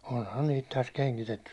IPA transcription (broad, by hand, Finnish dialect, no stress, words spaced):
onhɑn niːt tæs keŋkitetːys